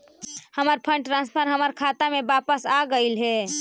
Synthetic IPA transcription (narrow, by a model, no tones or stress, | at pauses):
həməɾpʰə̃ɳɖʈɾãnspʰəɾɦəməɾkʰaːt̪amẽbaːpəsaɡəɪlɦɛ